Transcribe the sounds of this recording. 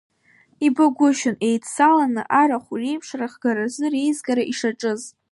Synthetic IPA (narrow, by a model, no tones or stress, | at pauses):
ibɨɡʷʊʃʊnejtsalanɨ̰ʔaɾaχʷure̞jpʰʂraχɡaɾazɨrejzɡaɾaʔiʂaʈ͡ʂʼɨz